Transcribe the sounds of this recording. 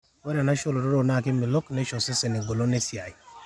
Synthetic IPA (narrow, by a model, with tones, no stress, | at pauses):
we˦ɾa˨na˦ʃo˦lo˨ɾo˦ɾo˦˨na˦˨kɪ˦ɪ˨lo˦kne˦ʃo˨sɪ˦se˨ne˨ɡo˨lo˦ne˦si˨a˨i˨